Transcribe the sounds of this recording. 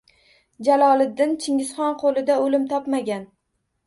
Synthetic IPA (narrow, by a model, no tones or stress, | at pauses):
d͡ʒalˠɒlˠɪd̪ːɪnt͡ʃʰɪŋɪsχɒnqʰolˠɪd̪aolɪmt̪ʰɒpmaɡʲan